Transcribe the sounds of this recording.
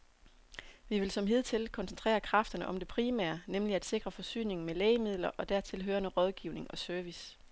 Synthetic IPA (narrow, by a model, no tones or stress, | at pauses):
ʋiʋe̝lsɒ̽mɦe̝ð̞̰ˠt͡sʰe̝lkʰɒ̽nsent͡sʰʁḛːɐkʰʁɑ̈fd̥ɐnəʔɒ̽md̥e̝pʰʁiːmæ̰ːɐnemliæd̥se̝ɡ̥ʁɐfɒ̽sy̰ːne̝ŋn̩melɛːɪmið̞̰ˠlɐʔɒ̽d̥æɐ̰t͡sʰe̝lɦøːɐnəʁɒ̽ð̞ˠɡ̥iʊne̝ŋɒ̽søɐʋis